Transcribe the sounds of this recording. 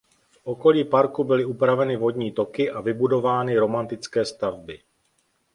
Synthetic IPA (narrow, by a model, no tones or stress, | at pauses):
fʔo̞ko̞liːpaɾkubɪlɪupɾavɛnɪvo̞dɲiːt̪o̞kɪʔavɪbudo̞vaːnɪɾo̞mant̪ɪt͡skɛːst̪avbɪ